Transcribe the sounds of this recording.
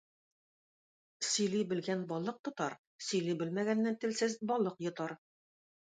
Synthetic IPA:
sɵ̆jlibɘ̆lɡænbɒlˠɤq̚t̪ŏt̪ɑɾ | sɵ̆jlibɘlmæɡænːænt̪ɘ̆lsɘzbɒlˠɤqjŏt̪ɑɾ

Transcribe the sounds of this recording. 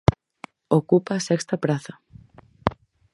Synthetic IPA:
okupaːsɛkst̪ɐpɾaθɐ

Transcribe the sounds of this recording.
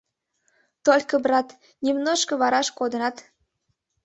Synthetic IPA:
t̪olʲkəbrɑt̪ | nʲimnoʃkɤ̆βɑɾɑʃkod̪ənɑt̪

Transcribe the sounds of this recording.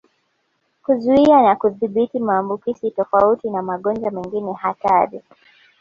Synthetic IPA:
kuzuianakuðiɓitimaːmbukizitɔfautinamaɠɔnd͡ʒamɛŋɡinɛhataɾi

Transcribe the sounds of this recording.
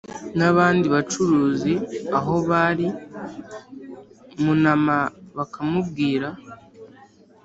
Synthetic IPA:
naβaːndiβat͡ʃuɾuːziaɦo̞βaɾi | munamaβakamubɡiːɾa

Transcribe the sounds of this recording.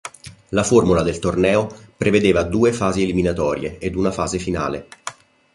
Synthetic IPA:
laformulad̪elt̪ornɛːopɾeved̪eːvad̪uːefaːzeːliminat̪ɔːɾjḛed̪unafaːzefina̰ːle

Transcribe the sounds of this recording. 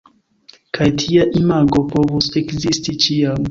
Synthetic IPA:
kʰajtʰiaʔimaɡopovusekzistit͡ʃiam

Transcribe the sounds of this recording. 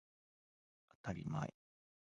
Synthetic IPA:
at̪aɾʲima̰ḭ

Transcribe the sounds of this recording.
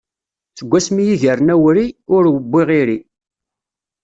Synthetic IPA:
θəɡʷːæsmijiʝəɾnæwɾiʊɾwəbːiʁɪɾi

